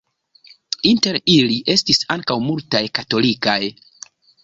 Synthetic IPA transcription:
inte̞ɾiliʔe̞stisaŋkawmultajkato̞likaj

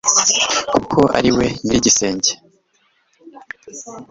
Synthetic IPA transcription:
kukʰo̞ʔa̰ɾiwe̞niɾiɟise̞ːɲɟe̥

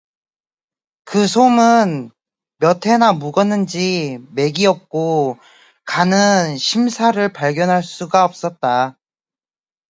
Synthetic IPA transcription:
kɯsʰomɯn | mjʌtʰe̞namuɡʌnːɯnd͡ʑime̞ɡiʌp̚k͈o | kanɯnɕʰimsʰaɾɯɭpaɭɡjʌnɦaɭs͈uɡaʌp̚s͈ʌt̚t͈a

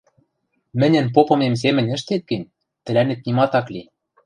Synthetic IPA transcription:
mɘ̆nʲɘ̆np̬opɤ̆mems̬emɘ̆nʲɘ̆ʃt̪et̪̚ɡɘ̆nʲ | t̪ɘ̆lænet̪̚nimɑt̪ɑkli

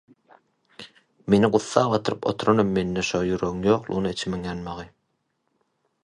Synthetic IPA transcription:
me̞niɢuθːɑːʁɑt̪ʰɯɾɯpo̞̰t̪ʰuɾonomːe̞nːeʃojyɾøɣɯŋjoːqlˠṵnɯet͡ʃʰmeŋjɑnmɑʁɨ

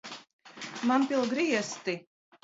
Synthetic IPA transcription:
manpilˠɡɾiɛst̪i

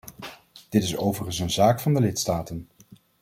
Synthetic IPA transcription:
d̥ɪtɪsowvərχəns̬ənzaːkfɑndəlɪtstaːtən

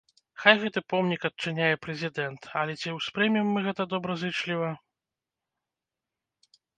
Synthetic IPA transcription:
xajɣɛt̪ɨpɔmnʲikɐt̚t͡ʂɨnʲajɛpɾɛzʲid̪ɛnt̪ɐlʲɛt͡sʲiwspɾɨmʲimːɨɣɛt̪ɐd̪ɔbɾɐzɨt͡ʂlʲivɐ

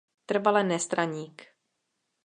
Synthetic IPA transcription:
t̪r̩valɛnɛst̪ɾaɲiːk

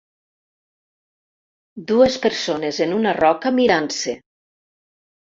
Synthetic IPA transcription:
d̪uespeɾsonezenunarɔkamiɾanse

